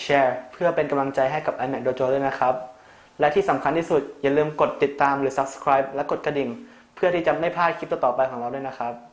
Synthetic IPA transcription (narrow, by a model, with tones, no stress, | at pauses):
ɕʰɛː˦˧˥pʰɯ˥˩ɐpe˧nka˧mla˧ŋt͡ɕa˧jɦa˥˩jka˨˩p̚ʔa˧jmɛ˨˩k̚doː˧t͡ɕoː˧duː˥˩jna˦˥kʰa˦˥p̚ | lɛ˦˥t̪ʰiː˥˩sa˩˦mkʰa˧nt̪ʰiː˥˩su˨˩t̪̚jaː˨˩lɯː˧mko˨˩t̪ːi˨˩t̪ːaː˧mɾɯː˩˦sa˦˥p̚skʰɾaː˦˥jp̚lɛ˦˥ko˨˩t̪̚ka˧di˨˩n | pʰɯ˥˩ɐt̪ʰiː˥˩t͡ɕa˨˩ma˥˩jpʰaː˥˩kʰt̚t̪a˧˩t̪ɔː˨˩pa˧jkʰɔː˩˦ɾa˧wdu˥˩jna˦˥kʰɾa˦˥p̚